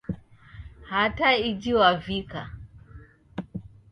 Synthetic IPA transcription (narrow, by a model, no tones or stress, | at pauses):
hataid͡ʒiwavika